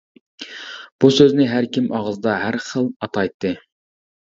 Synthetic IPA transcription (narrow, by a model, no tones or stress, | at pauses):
b̥usøznɪɦæɾkʲimʔɑʁəzd̪ɑɦæɾχəlˠɑt̪ʰɑjt̪ʰːɨ